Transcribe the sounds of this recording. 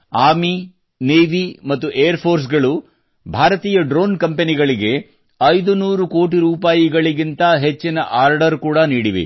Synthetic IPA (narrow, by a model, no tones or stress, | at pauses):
aːmi | neːʋimɐt̪ːuʔeːjɐɾpʰo̞ːɾs̬ɡɐɭu | bʱaːɾɐt̪iːjɐɖɾoːnkɐmpe̞niɡɐɭiɡe̞ | ɐjd̪unuːɾuko̞ːʈ̬iɾuːpaːjiɡɐɭiɡint̪ɐɦet͡ʃːinɐʔaːɾɖɐɾkuːɽɐniːɽiʋḭ